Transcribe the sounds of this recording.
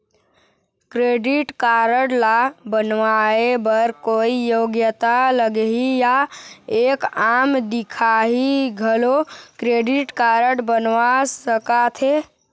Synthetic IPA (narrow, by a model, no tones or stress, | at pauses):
kɾeɖiʈkaɾəɽlabənʋaebəɾkoijoɡjət̪aləɡeɦijaekamd̪ikʰaɦiɡʱəlokɾeɖiʈkaɾəɽbənʋasəkat̪ʰɦe